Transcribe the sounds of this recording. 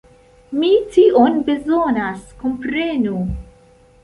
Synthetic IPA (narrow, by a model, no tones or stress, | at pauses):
mitiʔonbe̞zonaskompɾenu